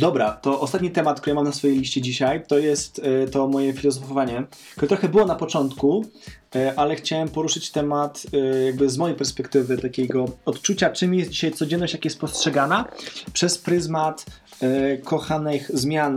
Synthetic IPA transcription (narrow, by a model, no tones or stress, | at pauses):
d̪ɔbɾat̪ɔʔɔst̪at̪ɲit̪ɛmat̪̚kt̪uɾɘjmamnasfɔjejlʲiɕt͡ɕɛd͡ʑiɕajt̪ɔjɛst̪t̪ɔmɔjɛfʲilɔzɔfɔvaɲɛ | kt̪uɾɛt̪ɾɔxɛbɘwɔnapɔt͡ʂɔnt̪ku | ʔalɛxt͡ɕawɛmpɔɾuʂɘt͡ɕt̪ɛmat̪jaɡ̚bɘzmɔjejpɛɾspɛkt̪ɘvɘt̪akʲeɡɔɔt̪t͡ʂut͡ɕat͡ʂɘmjɛsd͡ʑiɕajt̪sɔd͡ʑɛnːɔɕt͡ɕjakajɛst̪pɔstʂɛɡanapʂɛspɾɘzmat̪ | kʰɔxanɘxzmʲjan